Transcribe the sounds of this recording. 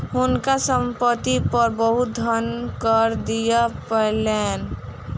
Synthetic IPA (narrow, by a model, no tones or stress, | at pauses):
ɦʊnkasəmpət̪ipəɾbəɦʊt̪̚d̪ʱənkəɾd̪ijapəɦlen